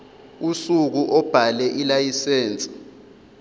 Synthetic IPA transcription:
usuk̬uʔɔb̥ʱalɛʔilajisɛːnt͡sʼi̥

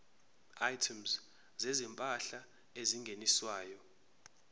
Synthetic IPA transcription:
ajtʰumz | zɛzɛmpʼaɬa | eziŋɡʱeniswaːjɔ

